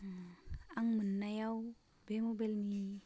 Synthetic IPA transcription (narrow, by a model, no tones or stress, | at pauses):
aŋmɯnːajaw | bemubelmi